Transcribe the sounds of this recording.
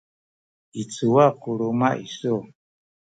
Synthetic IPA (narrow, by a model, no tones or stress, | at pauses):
it͡sʰuwakuɺumaʔisɔ